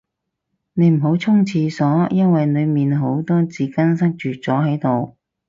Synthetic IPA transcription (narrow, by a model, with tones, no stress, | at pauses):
ne˨˧jm̩˨˩ɦo˨˥wt͡sʰʊ˥ŋt͡sʰiː˧sɔː˨˥jɐ˥nwɐ˨jnɵ˨˧ɥmiː˨nɦo˨˥wt̪o˥wt͡siː˨˥kɐ˥ns̬ɐ˥k̚t͡ʃyː˨t͡sɔː˨˥ɦɐ˨˥jt̪o˨w